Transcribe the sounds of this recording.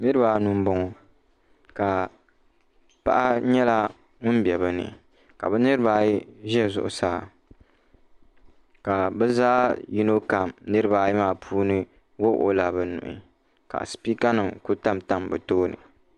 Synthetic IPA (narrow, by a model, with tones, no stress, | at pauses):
nɨ˦ɾɨ˦baː˨nu˦m˦bɔ˦ŋɔ˨ | ka˨ | pa̰˦ʔa˦ɲɛ˦la˦ | ŋʊ˦n˦bjɛ˨bɨ˦nɨ̰˨ | ka̰˨bɛ˦nɨ˦ɾɨ˦baː˨ji˦ʒɛ˦˨zʊ̰˨ʔʊ̰˨saː˦˨ | ka˨bɛ˦zaː˦ji˦no˦ka˨mnɨ˦ɾɨ˦baː˨ji˦maː˨pʰuː˦nɨ˦ | wo˦ʔo̰˦la˨bɛ˨nʊ̰˨ʔɪ̰˨ | ka̰˨spi˦ka˦nɨ˨ŋku˦ta˦mta˦mbɛ˨toː˦nɨ̰˨